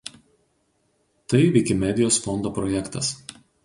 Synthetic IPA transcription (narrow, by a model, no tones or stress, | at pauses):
t̪ɐɪʋʲɛɪkʲɪmʲɛd̪ʲɪjoːsfɔnd̪oːpɾɔjɛkt̪ɐs